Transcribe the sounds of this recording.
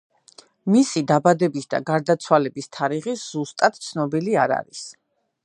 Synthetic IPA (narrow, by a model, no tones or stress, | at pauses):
misid̪abad̪ɛbisd̪a̰ɡaɾd̪at̪sʰwalɛbist̪ʰaɾiʁisz̥ust̪ʼat̪t̪sʰnɔbiliaɾa̰ɾis